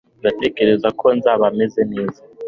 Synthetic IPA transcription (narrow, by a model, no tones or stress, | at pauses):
ndate̞ɡe̞ɾe̞zakʰo̞nzaβame̞ze̞ne̞ːza